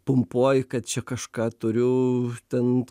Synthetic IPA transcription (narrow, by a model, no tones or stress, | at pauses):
pʊmpuɔjkɐt̪̚t͡ʃʲɛkɐʃkɑːt̪ʊɾʲʊt̪ʲɛn